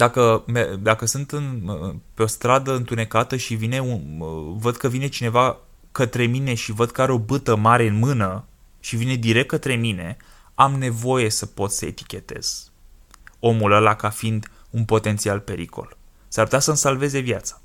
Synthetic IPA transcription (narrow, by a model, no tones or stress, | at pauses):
d̪akəmed̪akəsɨnt̪ɨnpeo̞st̪ɾad̪əɨnt̪une̞kat̪əʃivine̞uvəd̪kəvine̞t͡ʃine̞va | kət̪ɾe̞mine̞ʃivəd̪kəaɾeo̞bɨt̪əmaɾe̞ɨnmɨnə | ʃivine̞d̪iɾe̞k̚t̪̚kət̪ɾe̞mine̞ | amne̞vo̞je̞səpo̞t̪ssəe̞̰t̪i̥kʲe̞t̪e̞z̥ | o̞muləlakafind̪ | unpo̞t̪e̞nt̪sialpe̞ɾḭkʰo̞̰l | saɾrput̪ʲasəmsalve̞ze̞vjat̪sḁ